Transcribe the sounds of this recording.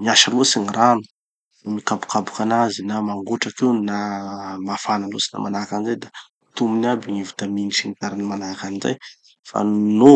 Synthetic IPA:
miaʃalosiniranu̥ | mikabu̥kabu̥kanazinamaŋɡoʈ͡ʂakewnamafanalosi̥na̰manakanizajd̪a | t̪uminabiŋivu̥t̪aminisiŋit̪aɾanimanakaniza̰j | fa̰no

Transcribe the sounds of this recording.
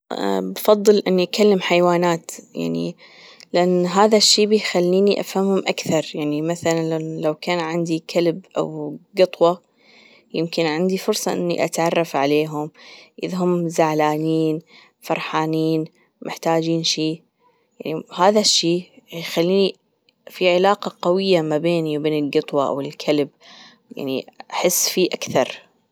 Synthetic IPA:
bfɑðˤːɨlʔɪnːiʔakalːamħajwaːnaːt̪ja̰ʕnḭ | lɪʔanːɦaːðaʃːiːbɪjxalːiːniʔafhamhʊmʔakθɑɾˤjaʕnimaθalanlalawkaːnʕɪnd̪ikʰalbʔa̰wɡɨt̪ˤwɑ | jɪmkɪnʕɪnd̪ifʊɾsˤɑ̰ʔɪ̰nːḭʔa̰t̪ʕɑrˤːɑfʕaleːɦʊmʔɪðɦʊmːzaʕlaːniːn | fɑɾˤħaːniːn | mʔɪħt̪aːd͡ʒiːnʃiː | jaʕnihaːðaʃːiːxalːiːni | fiʕɪlaːqɑqawɪjːamabeːniwbeːnɪlɡɨt̪ˤwɑʔa̰wɪlkʰalb | ja̰ʕnḭaħɪsːfiːʔakθɑɾˤ

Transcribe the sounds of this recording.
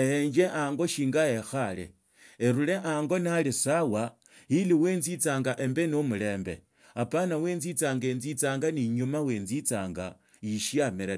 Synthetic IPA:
eɲd͡ʒe̞ʔaːŋɡo̞ʃiːŋɡaje̞xalḛ | eɾule̞ʔaːŋɡo̞nalisawa | jiliwe̞ːnzit͡saːŋɡaʔe̞mbenomule̞ːmbe̞̰ | apanawe̞ːnzit͡saːŋɡeːnzit͡saːŋɡaniɲumawe̞ːnzit͡saːŋɡa | jiʃiameɾa

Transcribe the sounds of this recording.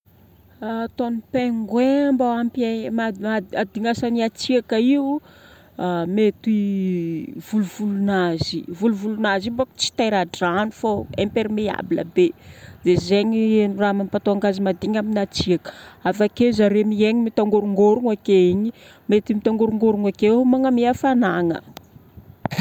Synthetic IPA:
at̪onipeŋɡwembaampamaaad̪iŋasaniat͡siakaiu | amet̪i | v̥uluvulunazivuluvulunazibaku̥t͡si̥t̪ajɾaɖ͡ʐanufoempeɾmea̰bilə̰bezezeɲienuramampat̪oaŋɡazimad̪iɲaminat͡siakə̥afakezaɾemieɲimit̪aŋɡoɾuŋɡoɾuŋakeiɲi | met̪imit̪aŋɡoɾuŋɡoɾuŋakemaŋamiafanaŋə̰

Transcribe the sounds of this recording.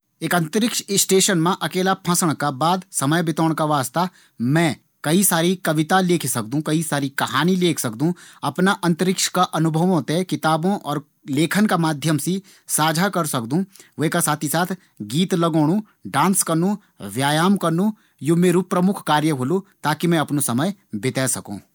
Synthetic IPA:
eːkɐ̃nt̪əɾɪkʃsʈeːʃənmẽʔɐkeːlapʰə̃səɽ̃kabaːd̪sɐməjbɪt̪oːɳ̃kaʋaːst̪a | mɛ̃ | kɐisaːɾikɐʋɪt̪aleːkʰsɐk̚d̪ũkɐisaːɾikɐɦaːnileːkʰsɐkd̪ũɐpnaʔɐ̃nt̪əɾɪkʃkaʔɐnʊbʱəʋõt̪ekɪt̪aːbõʔɔːɾ | leːkʰənkamaːd̪ʱjəmsi | saːd͡ʒʱakɐɾsɐkd̪ũʋeɦkasaːt̪ʰisaːt̪ʰ | ɡiːt̪lɐɡoːɽũ | ɖãːnskɐɾnũ | ʋjaːjaːmkɐɾnũ | jumeːɾupɾɐmʊkʰkaːɾjəɦoːlut̪aːkimɛ̃ɐpnosɐməjbɪt̪ɛːsɐkṵ̃ː

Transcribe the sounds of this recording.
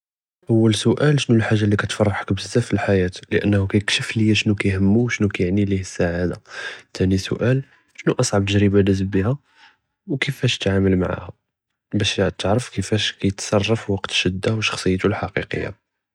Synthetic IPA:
ʔəwːəlsʊʔælʃnulħaʒːalːikæt̪fɑrˤːɑħə̥kbəzːæfilħajæt̪ləʔə̰nːhukæjəkʃəfləjːæʃnukæjhəmːuwʃnukæjəʕnilihəsːaʕad̪a̰t̪ʰænisʊ̰ʔæl | ʃnuʔɑsˤʕɑb̚t̪əʒɾibanəzəbbihæ | wkəfæʃt̪ʕaməlma̰ʕa̰hæ | bæʃʕd̪̚t̪əʕɾəfkəfæʃkæjət̪sˤɑrˤːɑfwɑqt̪ʃəd̪ːawʃːɑ̥xsˤəjːt̪ulħɑqiqə̰jːa̰

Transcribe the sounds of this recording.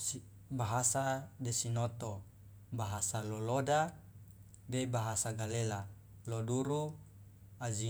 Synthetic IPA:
si | baɦasadesinot̪o | baɦasaloloda | bebaɦasaɡalela | loduɾu | azi

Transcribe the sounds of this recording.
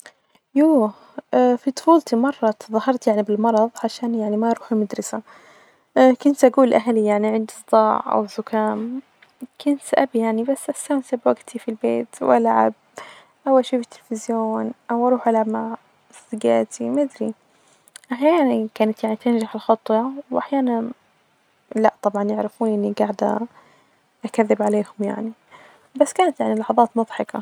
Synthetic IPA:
juː | fit̪ˤʊ̥fuːlt̪imɑrˤːɑt̪ðɑhɑɾˤt̪jaʕnibɪlmɑɾˤɑðˤʕaʃaːnjaʕnimaɾˤuːħimad̪ɾɪsa | kʊnt̪ʔaɡuːlʔaɦalijaʕniʕɪnd̪sˤd̪ˤɑːʕʔa̰wzʊkaːm | kʊnt̪ʔa̰bijaʕnibasːʔast̪amsabwaɡt̪ʰifilbeːt̪wʔa̰laʕa̰b̚ | ʔawaʃiːfit̪ːɪlfɪzjoːnʔawʔɑɾˤuːħʔalʕabmaʕ | st̪ɪɡa̰ːt̪ʰimad̪ɾi | ʔaħjaːnankaːnat̪jaʕnit̪ɪnʒaħɪlxɑt̪ˤːwɑwʔaħjaːnan | laʔt̪ˤɑbʕɑnjɪʕɾɪfuːnʔɪnːiɡaʕd̪a̰ | ʔakaðːɪbʕaleːhʊmja̰ʕni | basːkaːnat̪jaʕnilɑħɑðˤɑːt̪mʊðˤħɑka̰

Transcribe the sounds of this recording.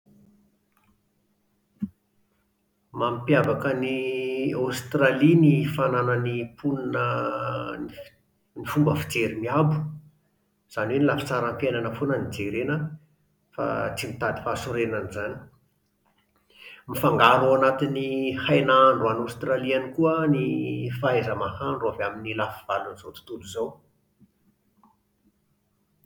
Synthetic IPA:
mampjavakəniawst̪ralinifananənipunnə | nifumbəfi̥d͡zeɾimiabu̥ | z̥aniwenilafḁt͡saɾampjenanəfonənid͡zeɾenə | fa̰t͡simit̪ad̪i̥fasuɾenanizani̥ | mifaŋɡaɾoanat̪inihajnaaɳɖ͡ʐuanawst̪ralianikuənifaezəmahaɳɖ͡ʐuavaminilafiv̥alunz̥ot̪u̥t̪uluzow

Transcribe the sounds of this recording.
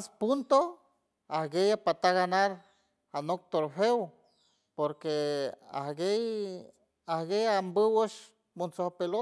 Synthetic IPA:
aspunt̪o | ahɡejapat̪aɣanaɾ | anok̚t̪oɾfew | poɾkea̰hɡej | ahɡejambəwəʃ | mont͡sohpelo

